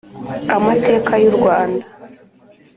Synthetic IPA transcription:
amate̞ːkajuɾɡwaːnda

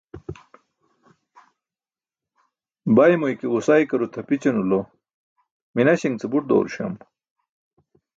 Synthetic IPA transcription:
bajmojkeusajkɐɾut̪ʰɐpit͡ɕɐnulo | minaɕiŋt͡sebuʈ̚d̪o̰ːɾɕɐ̰m

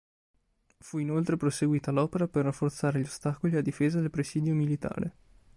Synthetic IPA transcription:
fuinolt̪ɾepɾoseɡwiːt̪alɔːpeɾaperːafːort̪saːɾeʎost̪akoliad̪ːifeːzad̪elpɾesiːd̪jomilit̪a̰ːɾʔe

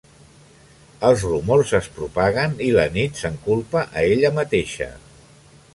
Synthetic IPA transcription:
əlˠzrumorzəspɾupaɣ̞ənilənit̪səŋkulˠpəʔəeʎəmət̪eʃə̰

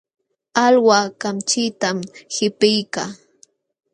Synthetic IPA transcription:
alwakamt͡ʃɪt̪amhɪpɪjkaː

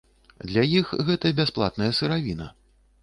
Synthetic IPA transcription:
d̪lʲajixɣɛt̪ɐbʲasplˠa̰t̪nɐjɐsɨɾavʲinɐ̰

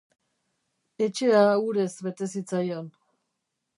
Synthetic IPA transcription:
e̞t͡ʃe̞auɾe̞zβe̞t̪e̞sit͡sajo̞n

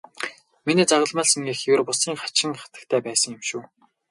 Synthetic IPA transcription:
meniːt͡saʁə̆ɮmaːsĭŋeːxjʊrpʊsiːŋχḁt͡ɕɪ̆ŋχḁt̪ə̥̆k̚t̪ʰæːpæːsə̆ŋjɪmʃuː

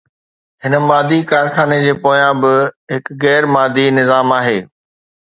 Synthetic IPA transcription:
ɦɪnə̆maːd̪ʱikaːɾxaːned͡ʑeːpoːjãbɪɦɪkɣɛːɾmaːd̪ʱinɪzaːmaːɦeː

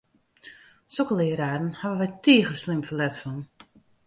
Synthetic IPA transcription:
sokəlɪəɾaːdən̩haʋəʋɛjtiəɣərslɪmfəlɛtfɔn

